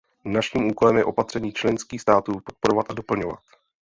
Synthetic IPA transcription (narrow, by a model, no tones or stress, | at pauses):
naʃiːmʔuːko̞lɛmjɛʔo̞pat̪r̥ɛɲiːt͡ʃlɛnskiːxst̪aːt̪uːpo̞t̪̚poɾovat̪ʔado̞pl̩ɲo̞va̰t̪